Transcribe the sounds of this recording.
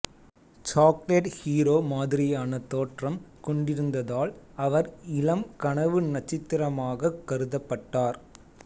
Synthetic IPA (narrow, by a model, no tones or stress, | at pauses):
t͡ʃaːkleʈhiːɾoːmaːðɪɾɪjaːnɐt̪ːoːʈrɐmkɔɳɖɪɾɯnd̪ɐðaːlɐʋɐɾɪlɐmkɐɳɐʋɯnɐt͡ʃːɪt̪ːɪɾɐmaːɣɐkːɐɾɯðɐpːɐʈːaːɾ